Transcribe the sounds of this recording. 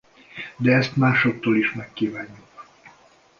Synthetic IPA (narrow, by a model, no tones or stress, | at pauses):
d̪ɛɛst̪maːʃo̞t̪ːoːliʃmɛkːiːvaːɲːuk